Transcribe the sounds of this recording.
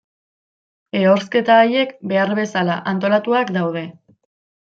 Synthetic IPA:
e̞o̞ɾske̞t̪aːje̞kbe̞aɾβe̞salaʔant̪o̞lat̪uakd̪awð̞e̞

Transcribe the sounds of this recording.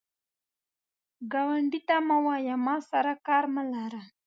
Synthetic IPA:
ɡɑwaɳɖit̪amawɑjamɑsaɾakɑɾməlaɾa

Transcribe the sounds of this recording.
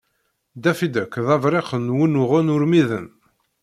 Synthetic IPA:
d̪æfid̪əkːðɑvɾˤeχənwinʊʁʊnʊɾmiðə̰n

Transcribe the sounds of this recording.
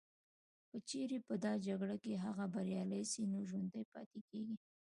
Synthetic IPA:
pət͡ʃeɾepəd̪ɑd͡ʒaɡɽakeɦaɣabaɾjɑləjsinoʒwand̪əjpɑ̰t̪ekeɡi

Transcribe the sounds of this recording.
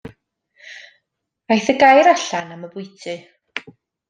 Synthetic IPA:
ajθəɡajɾaɬanaməbʊɨtʰɨ

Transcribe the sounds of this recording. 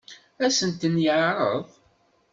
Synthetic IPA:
æsənt̪ənjəʕɾˤə̰ðˤ

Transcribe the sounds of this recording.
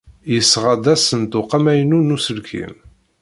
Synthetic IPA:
jəsːʁad̪æsənt̪ʊqamæjənunusəlkʰḭm

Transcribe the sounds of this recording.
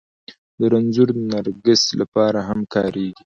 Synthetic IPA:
d̪əɾanzʊɾnaɾɡɪst̪lapɑɾaɦamkɑɾeɡi

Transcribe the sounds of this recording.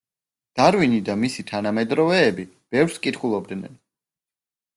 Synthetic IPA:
d̪̥aɾvinid̪amisit̪ʰanamɛd̪ɾɔvɛːbi | b̥ɛvɾskʼit̪ʰχulˠɔb̚d̪nɛ̰n

